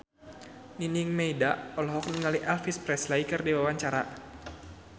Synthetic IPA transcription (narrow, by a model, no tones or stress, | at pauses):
niniŋmɛidaɔlɦɔk̚nəŋaliʔɛlfispɾɛslaikɨrdiwawaɲt͡ʃaɾa̰